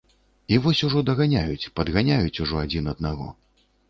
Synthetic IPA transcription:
ivɔsʲuʐɔd̪ɐɣanʲajut͡sʲpɐd̪ɣanʲajut͡sʲuʐɔad͡zʲinɐd̪̚naɣɔ̰

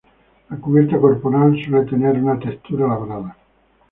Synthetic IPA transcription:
lakupɛrt̪akorpoɾalesolet̪eneɾunat̪est̪uːɾalaɡoɾaːd̪a

